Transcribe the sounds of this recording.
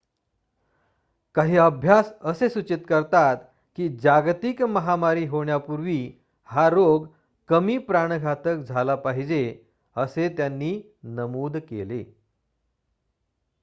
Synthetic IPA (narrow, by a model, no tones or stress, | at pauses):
kaɦiːəbʱjasəsesut͡ɕit̪kəɾt̪at̪ | kiːd͡ʑaɡt̪ikməɦamaɾiːɦoɳjapuɾʋiː | haɾoɡ | kəmiːpɾaɳ̃ɡʱat̪ək̚d͡zʱalapaɦid͡ʑe | əset̪janːiː | nəmuːd̪kelḛ